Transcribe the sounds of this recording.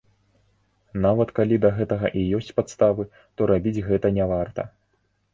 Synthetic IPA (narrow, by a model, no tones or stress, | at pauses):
navɐt̪kalʲid̪ɐɣɛt̪ɐɣɐʔijɔsʲt͡sʲpat̪st̪avɨ | t̪ɔɾabʲid͡zʲɣɛt̪ɐnʲavart̪ɐ̰